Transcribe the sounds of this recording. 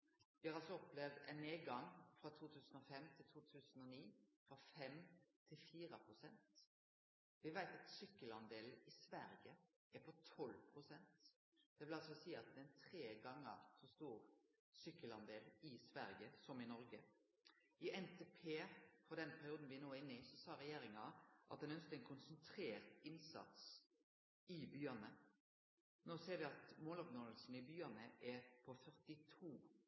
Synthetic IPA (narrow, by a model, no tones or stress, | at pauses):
ʋɪhɑɾɑlsɔɔplɛʋd̪æ̰ɪnːeːɡɑŋfɾɑt̪ʰuːt̪ʰʉːsn̩ɔfɛmt̪ʰɪlt̪ʰuːt̪ʰʉːsn̩ɔniːfɾɑfɛmt̪ʰɪlfiːɾəpʰɾʊsɛnt̪ | ʋɪʋæɪt̪ɑt̪sʏkːəlɑnd̪eːlɪsʋæɾjə | ʔæɾpʰɔt̪ʰɔlpʰɾʊsɛnt̪ | d̪̥ɛʋɪlɑlsɔsiːɑt̪̚d̪ɛɪnt̪ʰɾeːɡɑŋːə̰ʁsɔst̪uːɾ | sʏkːəlɑnd̪eːlɪsʋæɾjəsɔmɪnɔɾɡə | ɪɛnt̪ʰeːpʰeːfɔd̪ɛnpʰæɾɪuːd̪n̩ʋɪnoːɛɪnːəɪsɔsɑːɾɛjeːɾɪŋɑʔɑt̪d̪ɛnœnsk̪əɛnkʰʊnsənt̪ʰɾeːʁt̪ɪnsɑ̰t̪s | ɪbyːənə | noːseːɾʋɪɑt̪moːlɔpnɔlsn̩ɪbyːənəʔɛpʰɔfœʁt̪ɪt̪ʰuː